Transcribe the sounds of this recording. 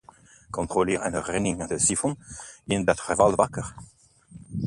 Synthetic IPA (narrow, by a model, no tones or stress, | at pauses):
kɔ̃nt̪ʁolɪːʁənəʁɛnɪŋadəsifɔnɪndɑtχəvalvakəʁ